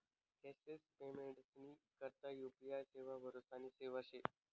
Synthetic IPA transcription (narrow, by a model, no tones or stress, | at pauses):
kɛsespemeɳʈsnikəɾt̪ajupiajseʋaʋəɾosaniːseʋaɕe